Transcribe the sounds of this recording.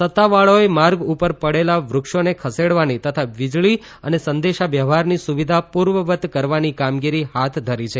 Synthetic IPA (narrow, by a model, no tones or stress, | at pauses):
sət̪ːaʋaɭoemaɾɡupəɾpəɽelaʋɾʊkʃonekʰəseɽʋanit̪ət̪ʰaʋid͡ʒɭi | ənesənd̪eʃaʋjəʋɦaɾnisuʋid̪ʱapuɾʋəʋət̪kəɾʋanikamɡiɾiɦat̪ʰd̪ʱəɾit͡ʃʰe